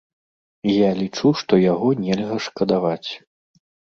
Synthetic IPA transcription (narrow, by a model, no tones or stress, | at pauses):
jalʲit͡ʂuʂt̪ɔjaɣɔnʲɛlʲɣɐʂkɐd̪avat͡sʲ